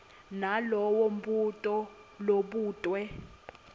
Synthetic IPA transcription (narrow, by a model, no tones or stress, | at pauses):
nalɔwɔm̩butʼɔ | loɓuːtʼwɛ